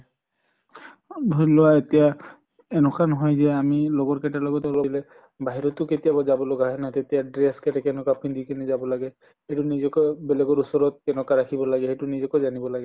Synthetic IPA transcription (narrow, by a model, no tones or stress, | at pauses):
dʱɔjlɔwaetija | ɛnɔkanɔɦɔjzɛamilɔɡɔɹkɛtalɔɡɔtɔlɔlɛ | baɦiɹɔtʊketijabɔzabɔlɔɡaɦɛnatetijadɹɛskɛtɛkɛnɔkapʰindikinɛzabɔlaɡɛ | hejtʊnizɔkɔbɛlɛɡɔɹusɔɹɔt̚kɛnɔkaɹakʰibɔlaɡɛɦejtʊnizɔkɔzanibɔlaɡɛ